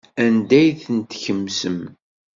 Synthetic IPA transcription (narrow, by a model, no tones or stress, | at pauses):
ænd̪æjθənt̪çəmsəm